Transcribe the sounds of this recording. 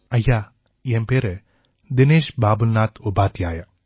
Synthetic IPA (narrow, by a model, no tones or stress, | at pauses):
ɐjːaː | jeːmpeːɾe | d̪ineːʃbaːbulnaːt̪ubaːt̪jaːjɐ